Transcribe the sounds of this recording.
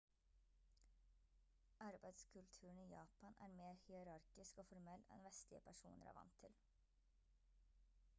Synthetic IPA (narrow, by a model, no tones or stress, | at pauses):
ʔɑɾbæɪd̪skʰʉlt̪ʰʉːɳ̩iːjɑːpɑnʔæ̰ːɾmeːɾhɪəɾɑɾkɪskoːfɔɾmɛlɛ̰nʋɛst̪lɪəpʰæʃṵːnəɾæ̰ːʋɑ̰nt̪ʰːɪl